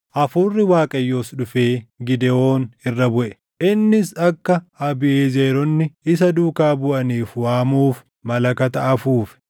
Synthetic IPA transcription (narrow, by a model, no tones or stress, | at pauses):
ʔɐfuːrːɪwaːkʼɐjːo̞ːsᶑʊfe̞ːɡɪd̪ɛo̞ːnɪrːɐbʊʔɛ̥ | ʔɪnːɪsɐkːɐɐbɪʔeːzeːɾɔnːɪɪs̬ɐd̪uːkaːbʊʔɐniːfwaːmuːf | mɐlɐkɐt̪ɐʔɐfuːfɛ̥